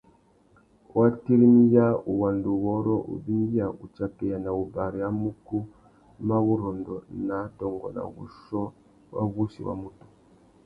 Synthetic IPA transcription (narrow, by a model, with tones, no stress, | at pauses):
wʔa˦ti˦ɾi˦mi˦ja˦u˨wa˨ndu˨wɔ˦ɾɔ˦ʔṵ˨bi˦ŋ˦i˦ja˨u˨t͡ʃa˨pɛ˨ja˨na˨u˨ba˨ɾi˨ja˦mu˦ku˦ | ma˦βu˦ɾɔ˨ndɔ˨na˨˦tɔ˨ŋɡɔ̰˨na̰˨βṵ˨ʃɔ˦ | wa̰˦βu˦ʃḭ˨wa̰˦mu˦tu̥˨